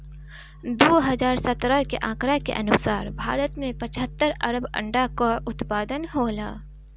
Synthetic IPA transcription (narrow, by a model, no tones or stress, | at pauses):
d̪oːɦɐzaːɾsət̪ɾəkḛʔãːkɾakḛʔɐ̰nʊsaːɾbʱa̰ːɾət̪mẽpə̃t͡ʃʰɦət̪ːəɾɐ̰ɾəbə̰̃ɳɖakaʔʊt̪paːd̪ənɦoːla̰ː